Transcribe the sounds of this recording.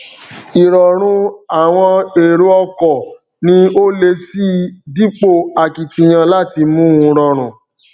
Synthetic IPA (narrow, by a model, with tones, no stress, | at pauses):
i˨ɾɔ˨ɾ̃ũ˧a˨w̃ɔ̃˧e˨ɾu˨˦ɔ˧kɔ˨ | nĩ˧o˦le˧si˦di˦k͡po˦˨a˨ki˨ti˧j̃ã˧la˦˨ti˧mũ˦ũ˧ɾɔ˨ɾ̃ũ˨